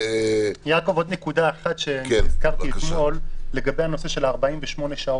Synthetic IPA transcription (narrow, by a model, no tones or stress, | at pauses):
ejako̞vo̞d̪nekudaeχat̪ʃeiz̥kaʁtilimo̞lːe̞ɡabe̞jhano̞se̞ʃe̞laːʁbaimveʃmo̞neʃao